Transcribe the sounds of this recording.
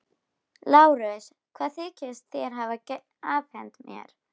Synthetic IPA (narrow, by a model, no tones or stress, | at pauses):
laːwɾʏs | kʰvaːðθɪːcɪst̪θjɛɾ̥ɦava | aːvhɛnt̪mjɛ̰ɾ̥